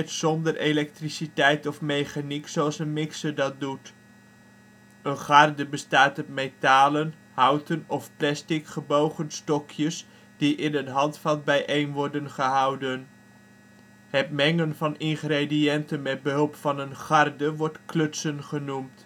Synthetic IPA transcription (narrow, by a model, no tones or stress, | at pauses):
tsɔndəɹelɛk̚trisitɛjtɔfmejχaniksowɑlˠsənmɪksədɑt̚dut | ənχɑrdəbəstaːtɔp̚mejtaːlən | hʌwtənɔfplɛstɪkχəbowχənstɔkʰjəs | d̥iʔɪnətɦɑntfɑlˠt̚bɛjʔejnʋɔɹdənχəɦɑwdən | ɦɛtmɛŋənvɑnɪnχrediɛntənmɛd̚bəɦɵlˠpfɑnənχɑrdəʋɔɹtklɵtsənχənumt